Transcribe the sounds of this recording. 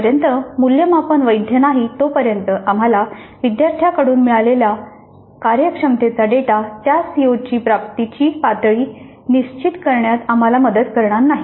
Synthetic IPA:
əɾjənt̪əmuljəmapənʋəjd̪ʱjənaɦit̪opəɾjənt̪əʔam̤alaʋid̪jaɾt̪ʰjakəɽuːnmiɭalelja | kaɾjəkʂəmt̪et͡saɖeʈat̪jasiot͡ɕiːpɾapt̪it͡ɕiːpat̪ɭiː | niɕt͡ɕit̪kəɾɳjat̪am̤alaməd̪əd̪kəɾɳaɾnaɦi

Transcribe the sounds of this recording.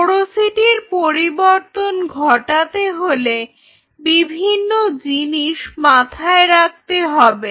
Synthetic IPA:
ɾosiʈiɾpoɾiboɾt̪onɡʱɔʈat̪eɦole | bibʱinːod͡ʑiniʃmat̪ʰaeɾak̚t̪eɦɔbe

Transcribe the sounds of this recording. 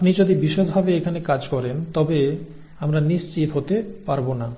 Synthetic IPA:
pnid͡ʑod̪ibiʃod̪bʱabeekʰanekad͡ʑkɔɾent̪ɔbe | amɾaniʃt͡ɕit̪ɦot̪epaɾbona

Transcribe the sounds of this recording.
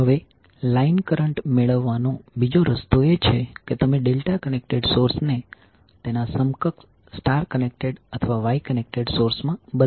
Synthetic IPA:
ɦəʋe | lainkəɾəɳʈmeɭəʋːanõbid͡ʒoɾəst̪oet͡ʃʰeket̪əmeɖelʈakənek̚ʈeɖsoɾsne | t̪enasəmkək | sʈaɾkənek̚ʈeɖət̪ʰəʋaʋajkənek̚ʈeɖsoɾsmãbə

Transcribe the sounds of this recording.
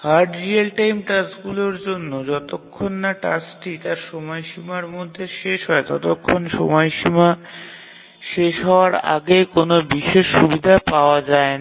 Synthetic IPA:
haɾʈɾielʈajmʈasɡuloɾd͡ʑonːod͡ʑɔt̪okʰːonːaʈa̰sʈit̪aɾʃɔmɔjʃimaɾmod̪ʱːeʃeʃɦɔet̪ɔt̪okʰːonʃɔ̰mɔeʃima | ʃeʃɦɔoaɾa̰ɡekonobiʃeʃːubid̪ʱapaoad͡ʑaen

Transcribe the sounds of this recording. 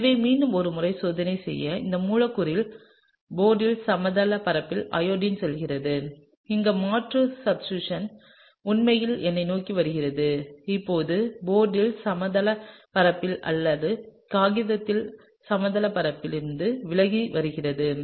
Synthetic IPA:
ʋɐmiːɳɖɯmɔɾɯmʊrɐɪsoːðɐnɐɪsɛ̰jːɐɪ̰nd̪ɐmuːɻɐkːɯɾɪl | boːɖɪlsɐmɐðɐlɐpɐɾɐpːɪlʔɐ̰joːɖɪnsɔlɣɪrɐðɯ | ɪŋɡɐmaːʈrɯsɐbsuʂɐn | ʊnmɐjɪlɛnːɐɪnoːkiʋɐɾɯɣɪrɐðɯɪpːoːðɯboːɖɪlsɐmɐðɐlɐpɐɾɐpːɪlɐ̰lːɐðɯkaːɣɪðɐt̪ːɪl | sɐmɐðɐlɐpɐɾɐpːɪlɪɾɯnd̪ɯʋɪɭɐɣiʋɐɾɯɣɪrɐðɯ

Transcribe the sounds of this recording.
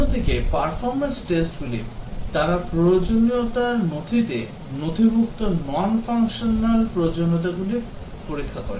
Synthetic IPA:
od̪ʱikepaɾfʰɔɾmensʈesʈɡulit̪aɾapɾood͡ʑoniot̪aɾnot̪ʰit̪e | not̪ʰibʱuk̚t̪onɔnfaŋkʃonalpɾood͡ʑonot̪̬aɡuliɾ | poɾikʰːakɔɾḛ

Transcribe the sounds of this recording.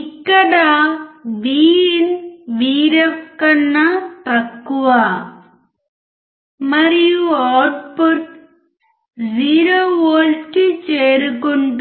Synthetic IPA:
ikːɐɽaːʋiːinʋiːɾɐkːɐnːat̪ɐkːuʋaː | mɐɾijuaːʈ̚poɾʈ | ziːɾoʋoːlʈːit͡ʃeːɾɯkoɳɖ

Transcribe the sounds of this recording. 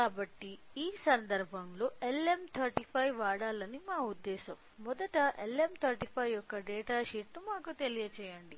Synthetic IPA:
kaːbɐʈːiiːsɐnd̪ɐɾbʱɐmlo̞ːʔe̞lemt̪ʰɐɾʈipʰɐjʋaːɽaːlɐnimaːud̪ːɛːsɐmːɔd̪ɐʈɐʔelemt̪ʰɐɾʈipʰɐjjɔkːɐɖɛːʈaːʃiːʈːumaːkut̪e̞lijɐt͡ʃɛːjɐɳɖi

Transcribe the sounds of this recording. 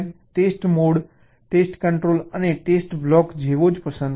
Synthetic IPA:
ʈesʈmoɽ | ʈesʈkəɳʈɾoləneʈesʈblɔkd͡ʒʱeʋod͡ʒpəsə̃n

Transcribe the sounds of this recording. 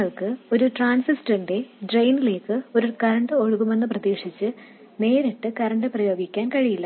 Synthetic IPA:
ɐɭkɨo̞ɾuʈraːnsisʈɐnɖe̞ɖrejnile̞ːkːɨo̞ɾukɐɾɐɳɖɨo̞ɻuɣume̞nːɨprɐðeːʂit͡ɕːɨ | ne̞ːɾiʈːɨkɐɾɐɳɖɨprɐjo̞ːɡikʲːaːnkɐɻijilːɐ

